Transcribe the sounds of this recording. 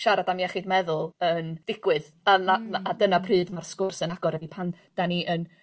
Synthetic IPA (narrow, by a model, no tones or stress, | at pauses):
ʃaɾadamiɛχidmɛðʊlˠənd̥ɪɡ̥wɨð | anaaːdənapʰrɨːdmarskʊrsənaɡ̥ɔɾədipʰan | d̥aniʔən